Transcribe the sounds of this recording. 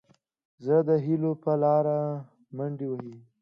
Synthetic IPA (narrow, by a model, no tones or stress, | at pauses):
zəd̪əɦilopəlɑɾa | maɳɖiwaɦi